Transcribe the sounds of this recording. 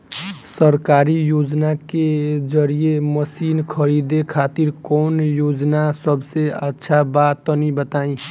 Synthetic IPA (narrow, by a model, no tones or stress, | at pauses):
səɾkaːɾijoːd͡ʒnaked͡ʒəɾieməsiːnkʰəɾid̪ekʰaːt̪iɾkɔːnjoːd͡ʒnasəbseətːʃʰabaːt̪ːɔnibət̪aːĩ